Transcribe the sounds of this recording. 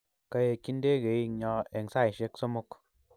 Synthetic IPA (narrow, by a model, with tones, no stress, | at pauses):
ka˧je˧ki˦n˦de˦ɡe˨˦˧ɲɔ˧e˨ŋ˨sa˦˨jʃe˦kso˦mo˦˧k